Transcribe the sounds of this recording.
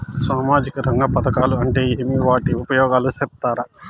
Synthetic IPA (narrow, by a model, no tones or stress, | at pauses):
saːmaːd͡ʒikɐɾɐŋɡɐpɐd̪ɐkaːluɐɳʈe̞ːeːmiʋaːʈiupɐjɔːɡaːlusɛp̚t̪aːɾɐ